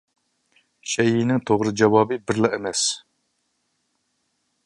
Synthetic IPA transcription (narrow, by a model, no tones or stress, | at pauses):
ʃɛjinɪŋt̪ʰoʁɾɨd͡ʒɑwɑːbɨbɪɾlɨɛmɛs